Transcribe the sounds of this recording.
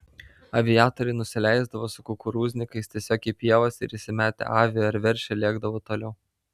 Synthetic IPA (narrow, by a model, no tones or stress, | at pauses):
ɐʋʲɪjɑːt̪ɔɾʲɛɪnʊsʲɪlʲæˑɪzd̪ɐʋoːsʊkʊkʊɾuːzʲnʲɪkɐɪst̪ʲiɛsʲoːkʲɪːpʲiɛʋɐsɪ̰ɾɪsʲɪmʲæːt̪ʲɛ̰ʔɑːʋʲɪjoːɪɾʋʲɛɾʲʃʲɛlʲiɛɡd̪ɐʋoːt̪oːlʲɛʊ